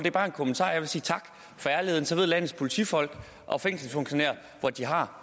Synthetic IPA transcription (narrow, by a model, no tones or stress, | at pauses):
d̥e̝ɐb̥ɑ̈ːe̝nkʰomənt͡sʰɑ̰̈ːjɑ̈ɪʋe̝siːt͡sʰɑ̈ɡ̥ | fɒ̽æɐle̝ð̞̰ˠn̩sɒʋe̝ð̞̰ˠlænð̩ˠspʰo̝lit͡sʰifɒ̽l̰ɡ̥ | ʔɒ̽feŋ̰sn̩fɔŋɕo̝nḛɐ̰ | ʋɒd̥iɦɑ̈